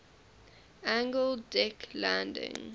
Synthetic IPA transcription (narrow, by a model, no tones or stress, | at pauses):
ãŋɡəldɛkʰlãndɪ̰̃ŋ